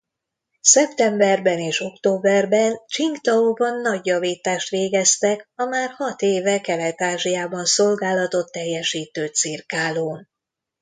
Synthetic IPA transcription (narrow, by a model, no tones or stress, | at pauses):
sɛpt̪ɛmbɛrbɛneːʃo̞kt̪oːbɛrbɛnt͡ʃiŋɡt̪ɒubɒnːɒɟjɒviːt̪aːʃt̪ʋeːɡɛst̪ɛkɒmaːrhɒt̪eːvɛkɛlɛt̪aːʒijaːbɒnso̞lɡaːlɒt̪o̞t̪ːɛjːɛʃiːt̪øːt̪sirkaːloːn